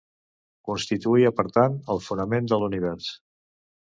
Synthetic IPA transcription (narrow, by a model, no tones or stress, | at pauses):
kunst̪it̪uiəpəɾt̪anəlˠfunəmend̪əluniβ̞ɛɾs